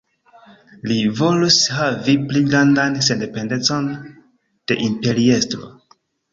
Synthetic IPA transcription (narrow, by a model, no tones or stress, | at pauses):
livo̞lushavipliɡɾandanse̞nde̞pe̞ndet͡so̞n | d̥e̞̰ʔimpe̞ɾiestɾo̞̰